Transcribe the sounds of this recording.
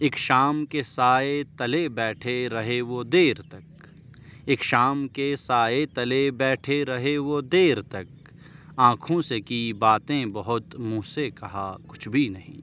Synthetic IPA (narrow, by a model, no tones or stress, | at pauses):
eːkʃaːmkesaːet̪ɐlebɛːʈʰeɾɐɦeʋod̪eːɾt̪ɐk | eːkʃaːmkesaːet̪ɐlebɛːʈʰeɾɐɦeʋod̪eːɾt̪ɐk̚ | ãːkʰõsekibaːt̪ẽbɐɦʊt̪mũːsekɐɦakʊ̥t͡ʃʰbʱinɐɦḭ̃ː